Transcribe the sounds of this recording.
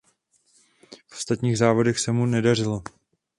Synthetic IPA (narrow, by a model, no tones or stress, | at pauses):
fʔo̥st̪at̪ɲiːɣzaːvo̞dɛxsɛmunɛdarɪlo